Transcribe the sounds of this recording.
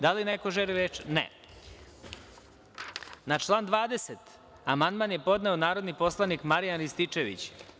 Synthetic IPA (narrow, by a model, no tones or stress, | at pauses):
d̪alineko̞ʒeliɾet͡ʃnḛ | nat͡ʃlˠaːnd̪ʋaːd̪eset̪ | amand̪maːnjepo̞d̪neonaːɾod̪nipo̞slˠanikmaɾijanɾist̪it͡ʂeʋḭt͡ɕ